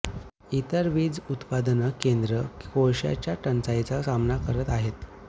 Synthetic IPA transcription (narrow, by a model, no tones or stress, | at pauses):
it̪əɾʋiːd͡zut̪pad̪ənəkend̪ɾəkoɭɕja̰t͡ɕjaʈənt͡sajt͡sasamnakəɾət̪aɦet̪